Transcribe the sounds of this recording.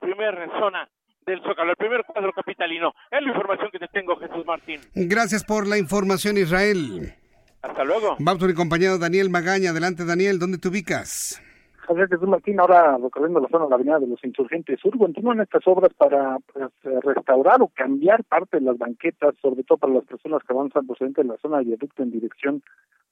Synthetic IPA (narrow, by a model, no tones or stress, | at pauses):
pɾimeɾeso̞na | ðelsokaɾoelpɾimeɾkwaðɾokapit̪alino̞ | ezlaiɱfo̞ɾmasjo̞ŋket̪et̪eŋɡoxe̞suzmaɾt̪inɡɾasjaspo̞ɾlaiɱfo̞ɾmasjo̞nizrae̞l | ast̪alweɣo̞bams̬oɾiko̞mp̬aɲaðoðanje̞lmaɣaɲaːð̞elant̪̬eanje̞ld̪o̞nd̪e̞t̪euβikas | aiaxes̬uzmaɾt̪inaoɾarekorjend̪olaso̞naelaβeniðaðelo̞sinsuɾxe̞nt̪esuɾko̞nt̪inuane̞st̪aso̞βɾaspaɾapesrest̪awɾaɾo̞kambjaɾpaɾt̪e̞ðelazβaŋke̞t̪asːo̞βɾet̪oðopaɾalaspe̞ɾso̞naskeaβansampɾoseent̪eelaso̞naðaðuk̚t̪oend̪iɾeksjo̞n